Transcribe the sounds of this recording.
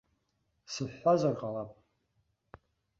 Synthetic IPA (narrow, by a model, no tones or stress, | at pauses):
sɨħːazʷarqʼalapʼ